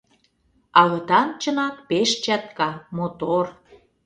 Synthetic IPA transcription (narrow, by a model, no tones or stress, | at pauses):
ɑlɤ̆t̪ɑnt͡ɕə̆nɑk̚peʃt͡ɕɑt̪kɑmot̪or